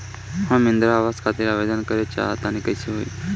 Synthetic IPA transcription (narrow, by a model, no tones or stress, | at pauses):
hãmɪ̃nd̪ɾaːʋaːzkʰat̪eɾaʋeːd̪ənkəɾet͡ʃa̰ːɦat̪ãnikəjseɦoːḭː